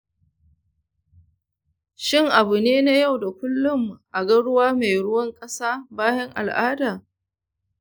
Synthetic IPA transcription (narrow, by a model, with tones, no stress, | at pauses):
ʃɪ˦˨ŋʔa˨bu˨neː˦na˦ja˦˨wda˨kʷʊ˦lːʊ˦m˨ʔa˨ɡɐ˦ɽʊ˦waː˦ma˨jɽʊ˦wɐ˦ŋkʼɐ˦saː˦baː˦jɐ˦ŋʔa̰˨lʔaː˦daː˨